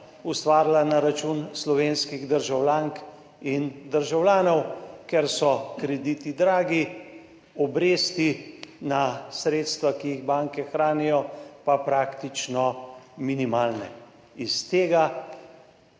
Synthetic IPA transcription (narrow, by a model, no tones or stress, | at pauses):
ust̪ʋaːɾlanaɾat͡ʃunslɔʋeːnskiɣd̪əɾʒawlaːŋk | ind̪əɾʒawlʲaːnɔwkɛɾsɔkɾɛd̪it̪id̪ɾaːɡi | ɔbɾeːst̪inasɾeːt̪st̪ʋakijiɣbaːŋkɛxɾaːnijɔpapɾaːkt̪it͡ʃnɔminimaːlnɛ | ist̪eːɡa